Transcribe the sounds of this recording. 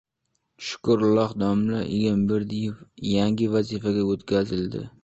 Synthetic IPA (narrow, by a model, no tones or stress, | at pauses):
ʃʊ̥kʊɾlɒχd̪ɒmlaʔḛɡʲanbɪɾd̪ɪjɪfjaŋɡʲɪvazifaɡʲaot̪kʲʰazɪld̪ɪ̰